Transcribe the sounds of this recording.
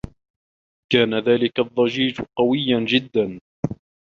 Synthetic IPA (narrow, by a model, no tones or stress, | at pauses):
kaːnaðaːlɪkaðˤːɑd͡ʒiːd͡ʒqɑwɪjːand͡ʒɪd̪ːan